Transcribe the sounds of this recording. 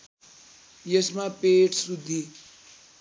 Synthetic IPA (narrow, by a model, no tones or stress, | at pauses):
jʌsmapeʈʰsud̪ʱːi